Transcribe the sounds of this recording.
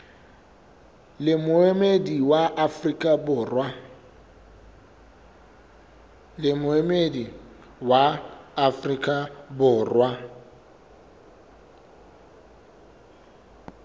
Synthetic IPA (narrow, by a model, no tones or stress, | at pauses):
lɪmʊemediwaʔafrikʼabʊːrwa | lɪmʊemedi | waːfrikʼabʊːrwa